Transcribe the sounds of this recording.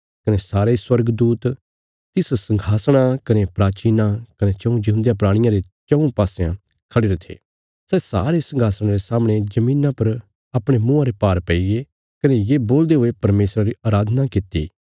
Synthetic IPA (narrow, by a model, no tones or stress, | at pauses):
kɐnesaːɾeiswɐɾɡd̪uːt̪ | t̪ɪssɐ̃ŋɡʱaːsɽ̃akɐnepɾaːt͡ʃiːnakɐnet͡ʃɐ̃ũd͡ʒɐɦũnd̪ijãp̬ɾaːɽ̃ɪjãɾet͡ʃɐ̃ũpaːsejã̰ | kʰɐɽeɾɐt̪ʰḛː | sɛːsa̰ːɾesɐ̃ŋɡʱaːsɽ̃aɾesaːmɽ̃ed͡ʒɐmĩːnãpɐɾ | ɐpɽ̃emʊ̃ãɾepaːɾpɛiɡe | kɐnejeːboːld̪eɦoepɐɾmeːsɾaɾiaːɾaːd̪ʱnakɪt̪ḭː